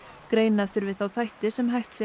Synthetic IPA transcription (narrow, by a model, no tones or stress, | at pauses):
kɾeːjnaθʏɾvɪðθawθajht̪ɪsɛmɦajht̪sjɛ